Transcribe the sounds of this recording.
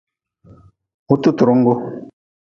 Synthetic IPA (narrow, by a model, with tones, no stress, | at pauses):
u˦t̪u˦tu˨ɾʊ˦ŋ̩˦ɡo˦